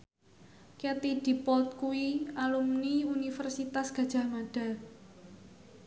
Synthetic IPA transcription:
ket̪id̥i̤pɔlt̪̚kuwialumniunifɛrsit̪asɡ̥ä̤d̥ʒ̥a̤hmaɖ̥a̤l

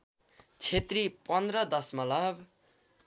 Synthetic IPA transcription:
t͡sʰet̪ripʌnd̪rʌd̪ʌsmʌlʌb

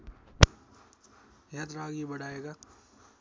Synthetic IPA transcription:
jat̪ɾaːɡibɐɽaːeːɡaː

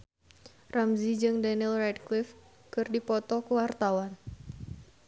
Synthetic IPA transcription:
rʔamzid͡ʒɨŋdanilrat̪̚klif | kɨrdipɔt̪ɔkəwart̪awan

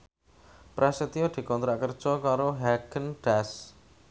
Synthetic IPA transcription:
pɾʔɛsət̪iod̪̥i̤kɔnt̪ɾaʔkər̥ʒ̥ɔkaɾoɦɛɡənɖ̥as

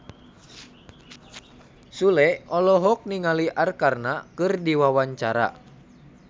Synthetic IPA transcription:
sulɛɔlɔɦɔk̚niŋaliʔarkarnakɨrdiwawaɲt͡ʃaɾa̰

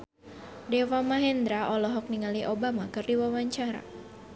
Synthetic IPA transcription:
dɛwamaɦɛnd̪ɾaʔɔlɔɦɔk̚niŋaliʔobamakɨrdiwawaɲt͡ʃaɾa̰

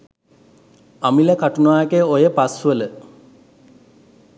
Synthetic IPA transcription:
amiləkaʈunaːjekeojəpasʋələ

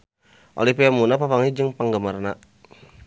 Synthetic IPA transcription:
ʔo̰lipiamunapapaŋid͡ʒɨŋpaŋɡəmərna

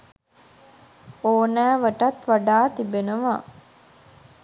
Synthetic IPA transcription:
oːnæːʋəʈat̪ʋaɖaːt̪ibenəʋa

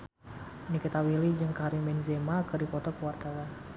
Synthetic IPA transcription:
nikit̪awilid͡ʒɨŋkaɾimɛnzemakɨrdipɔt̪ɔpart̪alan

